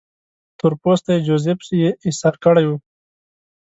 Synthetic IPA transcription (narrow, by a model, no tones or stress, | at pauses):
t̪ʊɾpost̪ajed͡ʒozepsejeɪsaɾkəɽajwu